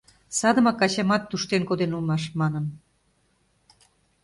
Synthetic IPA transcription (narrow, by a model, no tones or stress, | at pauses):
sɑd̪ə̆mɑkɑt͡ɕɑmɑt̪ːuʃt̪enkod̪enulmɑʃmɑnən